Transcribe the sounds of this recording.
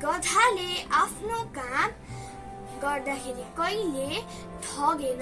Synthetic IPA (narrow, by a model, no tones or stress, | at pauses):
ɡʌd̪ʱaleʔapʰnokam | ɡʌrd̪akʰeɾikʌjle | d̪ʱʰʌɡen